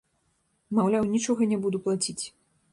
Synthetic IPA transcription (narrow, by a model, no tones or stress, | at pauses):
mawlʲawnʲit͡ʂɔɣɐnʲɛbud̪uplˠat͡sʲit͡sʲ